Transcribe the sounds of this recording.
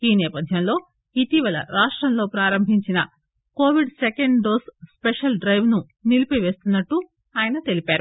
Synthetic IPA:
iːnɛːpɐd̪ʱjɐnlo̞ː | it̪iʋɐlɐ̰ɾaːʂʈɾɐmlo̞ːpɾaːɾɐmbʱiɲt͡ʃinɐ | koːʋiɖsekeɳɖɖoːsspeʂɐlɖɾɐjʋnu | nilipiʋe̞ːst̪unːɐʈːu | aːjɐnɐt̪e̞lipaːɾu

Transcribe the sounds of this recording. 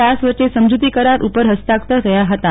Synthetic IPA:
asʋəɾt͡ʃesəmd͡ʒut̪ikəɾaɾʔupəɾɦəst̪ak̚t̪əɾəjaɦət̪a

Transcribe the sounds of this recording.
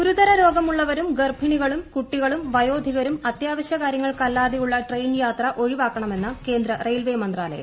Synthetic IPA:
ɡuɾud̪ɐɾɐɾo̞ːɡɐmuɭːɐʋɐɾumɡerbʱiɳiɣɐɭumkuʈːiɣɐɭumʋɐjo̞ːd̪ʱiɣɐɾumɐt̪jaːʋɐɕjɐkaːɾjɐŋːɐɭkɐlːaːðijuɭːɐʈrejnjaːt̪rɐʔo̞ɻiʋaːkːɐɳɐme̞nːɐke̞ːnd̪ɾɐrejlʋeːmɐnd̪raːlɐ̰j̰

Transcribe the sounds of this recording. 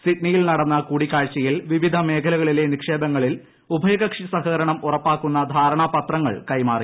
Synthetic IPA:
siʈnijilnɐɽɐnːɐkuːɽikːaːɻt͡ɕːɐjilʋiʋid̪ʱɐme̞ːkʰɐlɐɣɐɭile̞nikʂe̞ːbɐŋːɐɭil | ubʱɐjɐɣɐkʂisɐhɐːɾɐɳɐmurɐpːaːkːunːɐd̪ʱaːɾɐɳɐpɐt̪rɐŋːɐ̰ɭkɐjmaːri

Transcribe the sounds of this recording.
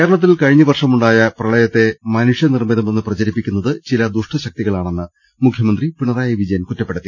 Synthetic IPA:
keɾɐɭɐt̪ːilkɐɻiɲːɐʋɐrʂɐmuɳɖaːjɐprɐɭɐjɐt̪ːe̞mɐnuʂjɐnirmiðɐmenːɨprɐt͡ɕɐɾipːikʲːunːɐðɨt͡ɕilɐd̪uʂʈɐɕɐk̚t̪iɣɐɭaːɳe̞nːɨ | mukʰjɐmɐnd̪ripiɳɐðaːjɐʋid͡ʑɐjɐnkutːɐpːeɽɐt̪ːi

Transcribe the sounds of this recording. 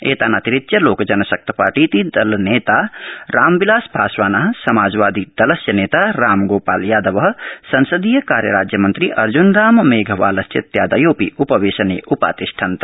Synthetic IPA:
ḛːt̪anat̪iɾit̪jɐloːkd͡ʒɐnɐsɐk̚t̪ʰɐ̥pa̰ːɾʈiːt̪id̪ɐlneːt̪aːɾaːmbilaːsbʱaːsʋaːnɐɦsɐmaːd͡ʒʋaːd̪id̪ɐlɐsjɐneːt̪aɾaːmɡoːpaːljaːd̪ɐʋɐɦ̆sɐnsəd̪iːjɐkaːɾjɐ̰ɾaːd͡ʒjɐmɐnt̪ɾiʔɐɾd͡ʒunɾaːmmeːɡʱɐʋa̰ːlɐsjɐt̪jaːd̪ɐjoːpiʔupɐʋeːsɐnḛʔupa̰ːt̪iʃʈʰant̪ɐ

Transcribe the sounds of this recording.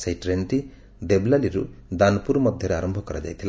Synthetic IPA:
sajʈɾenʈi | d̪eblaliɾṵd̪anpuɾmɐd̪ʱjɐɾeaɾɐmbʱɔkɐɾad͡ʒa̰jt̪ʰil

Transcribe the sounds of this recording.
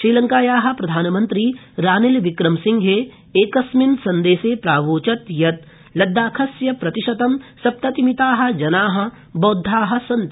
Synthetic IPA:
ʃɾiːlɐ̃ŋkaːjaːɦɐ̆pɾɐd̪ʱaːnɐmɐ̃nt̪ɾiː | ɾaːnelʋɪkɾɐmsɪ̃ŋɡɦe | eːkɐsminsɐnd̪eːseːpɾaːʋoːt͡ʃɐt̪jɐt̪ | lɐd̪ːaːkʰɐsjɐpɾɐt̪iʃɐt̪ɐmsɐp̚t̪ɐt̪imit̪aːɦɐ̆d͡ʒɐnaːɦɐ̆ | boːd̪ʱːaːɦɐ̆sɐnt̪

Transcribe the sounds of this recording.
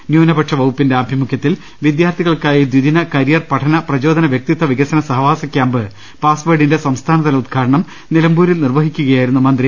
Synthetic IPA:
njuːnɐbɐʈʂɐʋɐwupːinde̞ɐbʱimukʰːjɐt̪ːil | ʋid̪jaːrt̪ʰiɣɐɭkaːjid̪ʋiðinɐkɐɾijɐrpɐʈʰɐnɐprɐd͡ʑo̞ːd̪ɐnɐʋjek̚t̪it̪ːɐʋiɣɐsɐnɐsɐɦɐʋaːsɐkʲjaːmbɨ | paːsʋeːɖinde̞sɐmst̪ʰaːnɐðɐlɐud̪̚kʰaːɾɐɳɐm | nilɐmbuːɾilnirʋɐɦikʲːuɣɐjaːjiɾunːumɐnd̪ri

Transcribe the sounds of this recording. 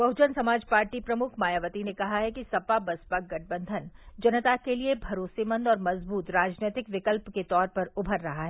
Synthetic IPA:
bɐɦʊd͡ʒənsɐmaːd͡ʒpaːɾʈipɾɐmʊkʰmaːjaʋət̪inekɐɦaɦɛkisɐpabɐspaɡɐʈ̚ʰbə̃nd̪ʱənd͡ʒɐnət̪akeliebʱɐɾoːsemə̃nd̪ɔːɾmɐzbuːt̪ɾaːd͡ʒneːt̪ɪkʋɪkəlpket̪ɔːɾpɐɾʊbʱəɾːɐɦaɦɛː

